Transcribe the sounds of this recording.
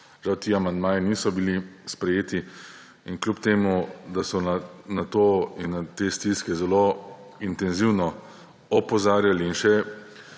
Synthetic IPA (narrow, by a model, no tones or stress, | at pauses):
ʒ̥awt̪iːamand̪maːjiniːsɔbilispɾɛjeːt̪i | inklʲjupt̪eːmud̪asɔnanat̪oːinːat̪eːst̪iskɛzɛloint̪ɛnziwnɔ | ɔpɔzaːɾjaliːnʃɛ